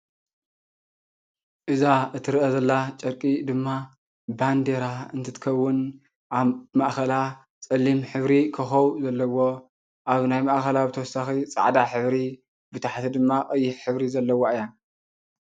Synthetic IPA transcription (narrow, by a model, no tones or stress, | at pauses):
ʔɨzaʔɨt̪ʰɨɾɨʔɐzɐlːat͡ʃʼɐɾkʼid̪ɨmːa | band̪eɾaɨnt̪ʰɨt̪ʰɨ̥kʰɐwːʊn | ʔamaʔxɐla | t͡sʼɐlːimħɨβɾikʰɨxɐwuzɐlːɐwo̞ | ʔaβnajmaʔxɐlabɨt̪ʰɐwɔsaxit͡sʼa̰ʕd̪aħɨβɾi | bɨt̪ʰaħt̪ʰid̪ɨmːakʼɐjːɪħħɨβɾizɐlːɐwoʔɨjan